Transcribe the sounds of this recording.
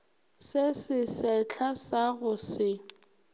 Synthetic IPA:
sɪsɪsɛt͡ɬʰasaɣʊsɪ

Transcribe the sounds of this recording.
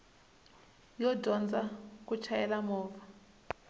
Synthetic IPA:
jɔdʱɔnd͡zʱak̬ut͡ʃʰajɛlamɔːva

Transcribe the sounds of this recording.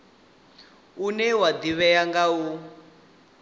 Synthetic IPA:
unɛwad̪iβɛjaŋɡau

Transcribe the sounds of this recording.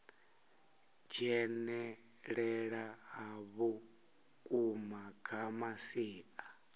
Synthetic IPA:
d͡ʒɛnɛ | ɺɛɺaɦaβu | kʼumaɡʰʱamasiːa

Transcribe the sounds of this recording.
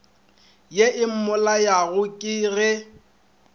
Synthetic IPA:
jeʔɪm̩mʊlajaɣʊkʼɪɣɛ

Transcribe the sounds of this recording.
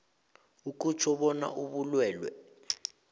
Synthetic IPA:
uk̬ʼut͡ʃʰɔɓɔna̰ʔuɓulwɛːlwɛ̰

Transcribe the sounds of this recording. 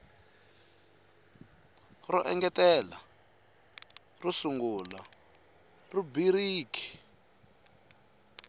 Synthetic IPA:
rɔʔɛŋɡɛtɛla̰ | rusuŋɡula̰ | rubiɾiːki̥

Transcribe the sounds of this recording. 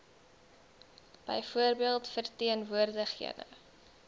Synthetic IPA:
b̥ə̰jfuərbiəlˠtfərtiənvuərdəχhḭədə̰

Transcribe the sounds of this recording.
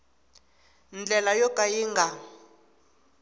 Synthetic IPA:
nd͡ɮɛlajɔkʼajiŋɡa

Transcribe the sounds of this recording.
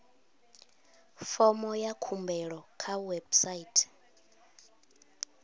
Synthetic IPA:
fɔmɔjakʰumbɛɺɔkʰawɛbsaiːtʰɛ̥

